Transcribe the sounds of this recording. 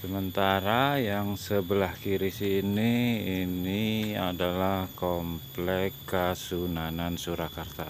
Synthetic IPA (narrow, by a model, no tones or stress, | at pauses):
səmənt̪aɾajaŋsəbəlahkiɾisiːniiniadalahkɔmplɛkːasunanansuɾakart̪a